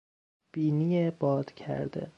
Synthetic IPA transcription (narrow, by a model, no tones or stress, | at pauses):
b̥iːnijebɒːd̪̥cʰæ̰ɾd̪̥ḛ